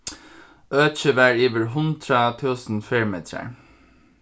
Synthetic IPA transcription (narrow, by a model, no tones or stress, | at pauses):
øːçəʋæːɹiːʋəɹɦʊnd̪ɾət̪ʰʉːsn̩fɪɹmeːt̪ɾə̰ɹ